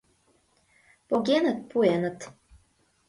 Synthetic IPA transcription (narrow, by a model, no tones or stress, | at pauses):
poɡʲenət̪̚puenət̪